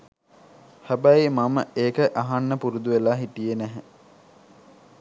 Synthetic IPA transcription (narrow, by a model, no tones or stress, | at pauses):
hæbæjimaməeːkəʔaɦanːəpuɾud̪uʋelaːɦiʈijenæɦæ